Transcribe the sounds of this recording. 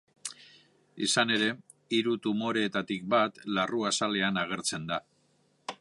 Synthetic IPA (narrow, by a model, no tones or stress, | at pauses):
isane̞ɾe̞ | iɾut̪umo̞ɾe̞ːt̪at̪ik̚bat̪laruasale̞anaɣ̞e̞ɾt͡se̞nd̪a